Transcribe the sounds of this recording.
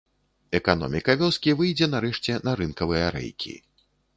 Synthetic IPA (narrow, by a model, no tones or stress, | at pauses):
ɛkanɔ̰mʲikɐvʲɔskʲivɨjd͡zʲɛnaɾɛʂt͡sʲɛnɐɾɨnkɐvɨjɐɾɛ̰jkʲʰḭ